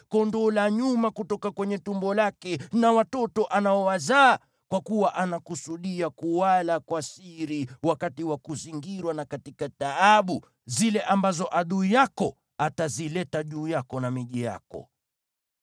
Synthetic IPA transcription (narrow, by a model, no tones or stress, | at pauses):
kɔndɔlaɲumakutɔkakwɛɲɛtumbɔlakɛnawatɔtɔʔanaɔwazaː | kwakuwaʔanakusuɗiakuwalakwasiɾiwakatiwakuziŋɡiɾwanakatikataaɓu | zilɛʔambazɔʔaɗuijakɔ | atazilɛtaʄuːjakɔnamiʄija̰kɔ̰